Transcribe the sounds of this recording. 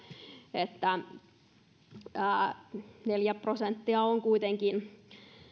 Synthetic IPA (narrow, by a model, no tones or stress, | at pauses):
et̪ːæ | neljæprosent̪ːiɑoŋkuit̪eŋkin